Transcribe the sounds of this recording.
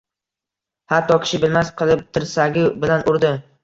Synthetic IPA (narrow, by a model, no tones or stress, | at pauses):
hat̪ʰːɒkʲʰɪ̥ʃɪbɪlmasqʰɨlˠɪp̚t̪ʰɪɾsaɡʲɪbɪlanʊɾd̪ɪ